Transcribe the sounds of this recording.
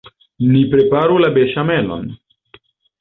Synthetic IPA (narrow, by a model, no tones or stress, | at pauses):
nipɾe̞paɾulabeʃame̞lo̞̰n